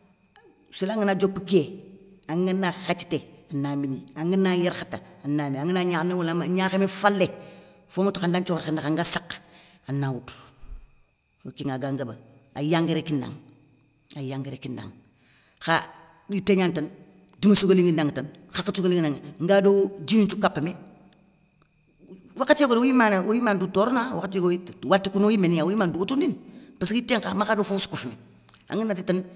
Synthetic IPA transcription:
silaŋinad͡ʒokːukieaŋinaxat͡ʃi̥teanaminiaŋinajiɾxataanameaŋinaɲaxnawulamaɲaxemefalːe | fomatoxandant͡ʃoɾxendaaŋɡasak | anawutu̥ | okiŋaɡaŋɡabaajaŋɡiɾekinːa̰ŋ | ajaŋɡeɾekinda̰ŋ | xa | diteɲantan | dumasukaliŋɡindaŋtanxakatukaliŋnaŋŋ̩ɡadod͡ʒinint͡ʃukapːame | wakatijaɡodoojimanaojimandutoɾnawa̰katiɡowatikunojimeniaojimanduotundinpaskiteŋkamakadofusu̥kufuni | a̰ŋɡinːatitan

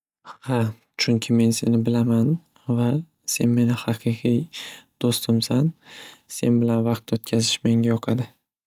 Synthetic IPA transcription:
ha | t͡ʃʰʊŋkʲʰɪme̞nse̞nɪbɪlaman | va | se̞nme̞nɪhɑqʰɨqʰijd̪̥ost̪ʰɪmsanse̞̰nbɪlanvɑq̚t̪ot̪̚kʲʰazɪʃme̞ŋʲajɒqʰɑd̪ɪ

